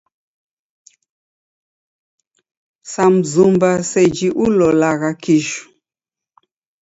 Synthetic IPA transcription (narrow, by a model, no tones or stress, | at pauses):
sam̩zumbasɛd͡ʒiʔulɔlaɣakiʃu̥